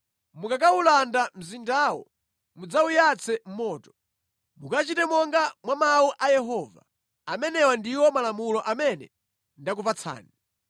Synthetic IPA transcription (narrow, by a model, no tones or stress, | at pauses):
mukak̬aulandam̩zindaːwɔ̰ | mud͡zaujat͡sʰɛm̩mɔːtɔ̥ | mukat͡ʃitɛmɔŋɡamwamauʔajɛɦɔːva̰ | amɛnɛwandiwɔmalamulɔʔamɛnɛ̰ | ndak̬upat͡sʰa̰ːni